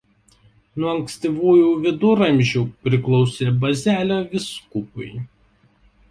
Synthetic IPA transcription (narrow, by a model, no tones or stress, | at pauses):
nuɔɐŋksʲt̪ʲiʋuːjuːʋʲɪd̪ʊɾɐmʲʒʲuːpʲɾʲɪklˠɔʊsʲeːbɐzʲæːlʲoːʋʲɪskʊpʊɪ